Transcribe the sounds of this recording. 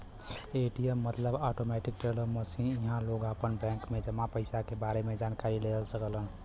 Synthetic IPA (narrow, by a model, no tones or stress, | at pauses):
eʈijəmːət̪ləbɔʈomɛʈik̚ʈeləməsinjiɦãloɡapənbɛ̃ŋkmed͡ʒəmːapəɪsakebaɾemed͡ʒankaɾileəlsəkəlɦən